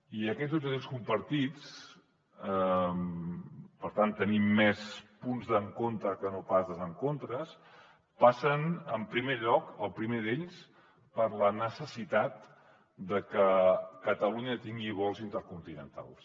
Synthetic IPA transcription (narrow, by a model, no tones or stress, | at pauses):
iəkɛzouoskumpəɾt̪it͡s | əm | pəɾt̪ant̪ːənimːɛspunzðəŋkont̪əkənopazðəzəŋkont̪ɾəs | pasənəmpɾimeʎɔkəlˠpɾimeðeʎs | pəɾlənəsəsit̪at̪̚ | d̪əkəkət̪əluɲət̪iŋɡiβ̞ɔlˠzint̪əɾkunt̪inə̰nt̪a̰lˠs